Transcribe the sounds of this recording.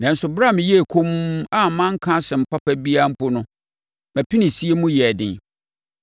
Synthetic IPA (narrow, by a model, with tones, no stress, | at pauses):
nã˨n̩˦sʊ˨bɾa˦˨mɪ̃˨jɛ˦˨kʰo˦m˦a˦˨mã˦ŋ̩˦kʰã˦sɛ˨m̩˨pʰa˦pʰæ˦bi˦a˦m̩˦pʊ˦nʊ̃˦ | mæ̃˨pʰɪ˦nɪ̃˨si˦e˦mũ˦jɛ˨dɪ̃˨n